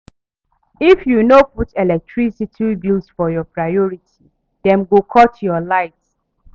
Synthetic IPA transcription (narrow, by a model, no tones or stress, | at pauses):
ifjunoputʰelɛk̚tɹisitʰibilsfɔjɔpɹaɔɹitʰi | dɛ̃mɡokʰɔtjɔlaɪt